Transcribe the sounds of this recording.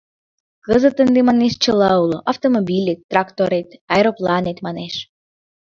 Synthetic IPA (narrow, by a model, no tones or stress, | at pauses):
kəzət̪ənd̪emɑneʃt͡ɕəlɑuloʔɑft̪omobilʲet̪ːrɑkt̪oɾet̪ɑjɾoplɑnet̪mɑneʃ